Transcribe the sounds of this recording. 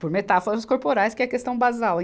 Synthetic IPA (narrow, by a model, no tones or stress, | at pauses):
poɾmet̪afoɾɐskoɾpoɾajskɪɛɐkest̪ɐ̃w̃bazawẽ